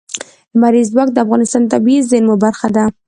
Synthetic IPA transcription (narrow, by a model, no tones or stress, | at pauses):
maɾizwak̚d̪əafɣɑnɪst̪ɑnt̪abiizɪnmobaɾxad̪a